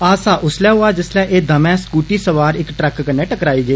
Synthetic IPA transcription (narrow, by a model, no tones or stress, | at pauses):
aːsaːʔʊslɛːɦʊaːd͡ʒɪslɛːʔeːd̪əmɛ̃ːskuːʈiːsəʋaːɾɪkʈɾɛkːəneːʈəkɾaːiːɡəeː